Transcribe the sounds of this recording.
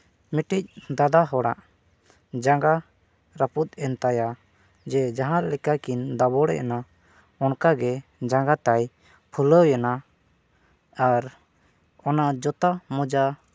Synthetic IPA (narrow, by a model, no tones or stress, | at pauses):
miʈic̚d̪ad̪aɦɔɽaʔ | d͡ʒaŋɡa | ɾaput̪̚ɛnt̪aja | d͡ʒɛd͡ʒaɦãɾɛlɛkakind̪abɔɽɛ̰ʔana | ɔnkaɡɛd͡ʒaŋɡat̪aj | pʰuləwjana | aɾ | ɔnad͡ʒɔt̪amɔd͡ʒa